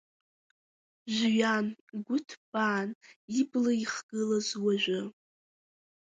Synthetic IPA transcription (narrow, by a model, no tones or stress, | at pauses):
ʒʷɥanɡʷʊtʰb̥aːniblaiχɡ̥ɨlazwaʒʷᶣʊ